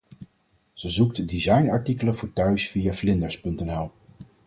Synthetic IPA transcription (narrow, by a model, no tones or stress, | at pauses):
z̥əzuktdizɑjnɑɹtikələvʊːɹtœɥsfijaːflɪndəɹspɵntɛnɛlˠ